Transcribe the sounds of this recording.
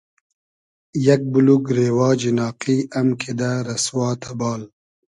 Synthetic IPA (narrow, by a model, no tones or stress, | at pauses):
jak̚buluɡɾeːwɑːd͡ʒinɑːqiɐmkʰed̪aɾɐswɑːt̪ʰabɑːl